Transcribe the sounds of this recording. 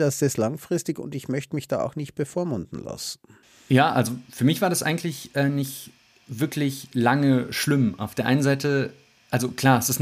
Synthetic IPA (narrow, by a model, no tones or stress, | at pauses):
d̥asdɛslaŋfʁ̥ɪstɪçʊ̰ndɪçmœçtəmɪçd̥a̰ːa̰ʊxnɪçt̚b̥əfoːɐmʊndn̩la̰sn̩ | jaːʔalzofyːɐmɪçv̥aːɐdasʔa̰ɪŋ̩tʰlɪçʔɛːnɪçt | vɪɐkʰlɪçlaŋəʃlɪmʔa̰ʊfd̥eːɐʔaɪnənzaɪtə | ʔalzokʰl̥aːɐɛsɪst